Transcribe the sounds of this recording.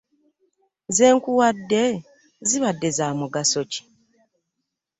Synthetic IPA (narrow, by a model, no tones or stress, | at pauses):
ze̞ːŋkuwadːe̞ | ziβadːe̞zaːmuɡaso̞ci̥